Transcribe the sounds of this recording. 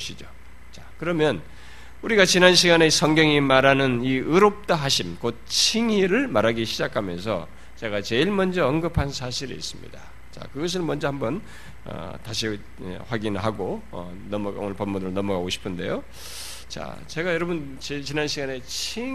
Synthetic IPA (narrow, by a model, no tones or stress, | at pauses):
ɕʰid͡ʑo | t͡ɕakɯɾʌmjʌn | uɾiɡat͡ɕinanɕ̬ʰiɡane̞sʰʌŋɡjʌŋimaɾanɯniɯɾop̚t͈aɦaɕʰimkot̚t͡ɕʰiŋiɾɯɭmaɾaɡiɕʰid͡ʑakʰamjʌnsʰʌ̰ | t͡ɕe̞ɡat͡ɕe̞iɭmʌnd͡ʑʌʌnɡɯpʰansʰaɕʰiɾḭːs͈ɯmɲḭda | t͡ɕa̰kɯɡʌs̬ʰɯɭmʌnd͡ʑʌhambʌn | ʌ̰taɕ̬ʰi | ɸwaɡinɭɦaɡoʌ̰ | nʌmʌo̰nʌɭpʌmːunɯɾɯɭnʌmʌɡaɡoɕʰi̥pʰɯnde̞̰jo | t͡ɕa̰ | t͡ɕe̞ɡajʌɾʌbɯn | t͡ɕet͡ɕinanɕʰiɡane̞t͡ɕʰi